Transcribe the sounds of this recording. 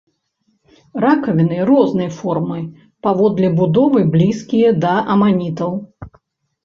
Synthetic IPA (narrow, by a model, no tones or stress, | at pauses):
rakɐvʲinɨɾɔznɨjɐfɔrmɨ | pavɔd̪lʲɛbud̪ɔvɨblʲiskʲijɛd̪ɐʔɐmanʲit̪ɐw